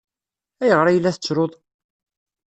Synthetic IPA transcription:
æjəʁɾæjəlːæθət͡sːɾˤoðˤ

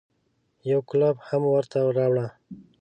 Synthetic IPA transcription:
jawklabhamwəɾt̪aɾɑwɽa

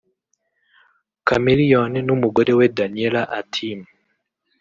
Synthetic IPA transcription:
kamilijɔninumuɡoɾewedanielaʔatʰim

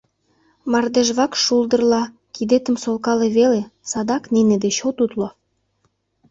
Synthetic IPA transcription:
mɑrd̪eʒβɑkʃuld̪ə̆rlɑ | kid̪et̪əmsolkɑleβelesɑd̪ɑknened̪et͡ɕot̪ut̪lo

